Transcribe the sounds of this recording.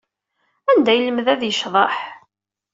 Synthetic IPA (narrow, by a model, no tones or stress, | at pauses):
ænd̪æjəlːəmðæðjəʃðˤɑħ